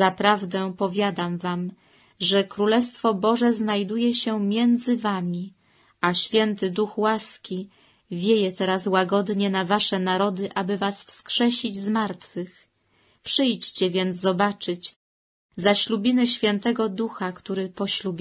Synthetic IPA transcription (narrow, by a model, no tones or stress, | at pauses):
zapɾavd̪ɛpɔvʲjad̪amvam | ʐɛkɾulɛst̪fɔbɔʐɛznajd̪ujɛɕɛmʲjɛnd̪zɘvamʲi | aɕfʲjɛnt̪ɘd̪uxwaskʲi | vʲjejɛt̪ɛɾaswaɡɔd̪ɲɛnavaʂɛnaɾɔd̪ɘʔabɘvasfskʂɛɕʲid͡ʑzmaɾt̪fɘx | pʂɘjt͡ɕt͡ɕɛvʲjɛnzzɔbat͡ʂɘt͡ɕ | zaɕlubʲinɛɕfʲjɛnt̪ɛɡɔd̪uxakt̪uɾɘpɔɕlubʲ